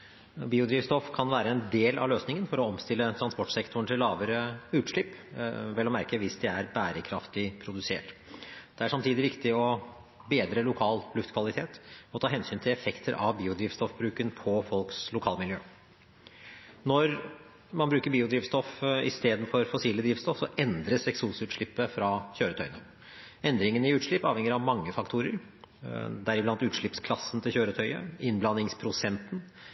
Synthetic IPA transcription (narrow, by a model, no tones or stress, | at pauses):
biːʊd̪ɾiːʋst̪ɔfkʰɑnʋæːɾəɛnd̪eːlʔɑ̰ʋløːsnɪŋənfɔɾɔɔmst̪ɪlːət̪ʰɾɑnspɔʈːsɛkt̪ʰʊɳʈ̪ʰɪlːɑːʋəɾəʉːt̪ʂlɪpːʋɛlːɔmæɾkəʋɪsd̪ɛæɾbæːɾəkʰɾɑft̪ɪpʰɾʊd̪ʉsḛːʈd̪̥ɛæʂɑmt̪ʰiːd̪ɪʋɪkt̪ɪɔ | beːd̪ɾəlʊkʰɑːlʉft̪kʰʋɑlɪt̪ʰeːt̪ɔt̪ʰɑːɦɛnsyːnt̪ʰɪlɛfɛkt̪ʰəɾʔɑ̰ʋbiːʊd̪ɾiːʋst̪ɔfbɾʉːkənpʰɔfɔlkslʊkʰɑːləmɪljøː | nɔɾ | mɑnbɾʉːkəɾbiːʊd̪ɾiːʋst̪ɔfɪ̰st̪eːd̪n̩fɔɾfɔsiːləd̪ɾiːʋst̪ɔfsɔʔɛnd̪ɾəsɛksuːsʉːt̪ʂɭɪpːəfɾɑçøːɾət̪ʰœʏənə | ɛnd̪ɾɪŋənɪʉːt̪ʂɭɪpːɑ̰ːʋhɛŋəɾɑʋmɑŋːəfɑkt̪ʰuːɾəɾ | d̪æɾɪblɑnt̪ʉːt̪ʂɭɪpskʰlɑsːənt̪ʰɪlçøːɾət̪ʰœʏə̰ɪnblɑnɪŋspʰɾʊsɛnt̪ən